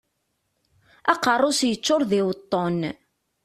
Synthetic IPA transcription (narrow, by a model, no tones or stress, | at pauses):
ɑqərˤːosjət͡sːoɾðɪwət̪ˤːon